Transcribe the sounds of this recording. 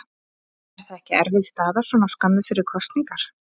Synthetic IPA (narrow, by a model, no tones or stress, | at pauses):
ɾ̥θaðɛhcɪɛ̰ɾvɪðst̪aːðasɔnawskamːɪfɪɾɪɾ̥kʰɔst̪niŋkaɾ̥